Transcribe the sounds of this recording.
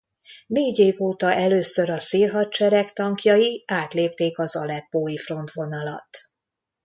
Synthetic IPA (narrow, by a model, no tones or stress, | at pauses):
neːɟeːvoːt̪ɒʔɛløːsøɾɒsiːlɦɒt͡ʃɛɾɛkt̪ɒŋkjɒjiaːt̪leːp̚t̪eːkɒzɒlɛpːoːjifro̞nt̪ʋo̞nɒlɒ̰t̪ː